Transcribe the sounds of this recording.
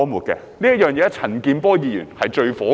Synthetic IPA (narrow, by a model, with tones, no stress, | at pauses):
muː˨t̚kɛ̰ː˧ | liː˥jɐ˥t̚jœː˨˩ŋjɛː˨˥t͡sʰɐ˨˩nkiː˧npɔː˥jiː˨˧jy̰ː˨˩nhɐ˨jt͡ʃɵ˧ɥfɔː˨˥